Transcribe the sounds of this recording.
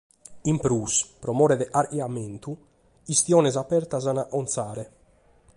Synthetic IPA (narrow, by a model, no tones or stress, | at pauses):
impɾuːspɾɔmɔːɾɛðɛʔaɾjamɛnt̪u | ist̪jɔːnɛzapɛɾt̪azanaʔɔnt̪saːɾɛ